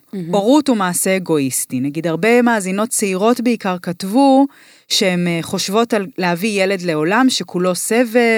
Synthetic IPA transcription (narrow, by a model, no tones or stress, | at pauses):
o̞ʁutumaːse̞ːɡo̞istinaɡidhaʁbe̞maːzino̞t̚t͡seiʁo̞tbeikaʁkatvu | ʃeemχo̞ʃvo̞tallehavijele̞dle̞o̞lamʃe̞kʰulo̞se̞ve̞